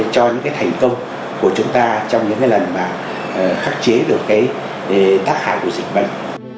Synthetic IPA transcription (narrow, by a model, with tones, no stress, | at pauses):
t͡ɕɔ˧ɲɨ̰˧˥ŋkaː˨˦jt̪ʰa˨˩jŋ̟kə˧wŋ͡m | ku˧˩ət͡ɕʊ˨˦ŋ͡mt̪aː˧t͡ɕɔ˧wŋ͡mɲɨ̰˧˥ŋkaː˨˦jlə˨˩nmaː˨˩˨ | xaː˦˥k̚t͡ɕe˨˦ɗɨ˨˩əkːaː˨˦j | t̪aː˦˥k̚ha̰ː˧˨jku˧˩əzï˨˩k̟̚və̰˧˨jŋ